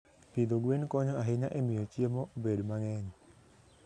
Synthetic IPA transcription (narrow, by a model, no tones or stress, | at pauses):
pid̪oɡwenkɔɲɔaɦiɲaʔɛmijot͡ʃiemɔbedmaŋɛɲ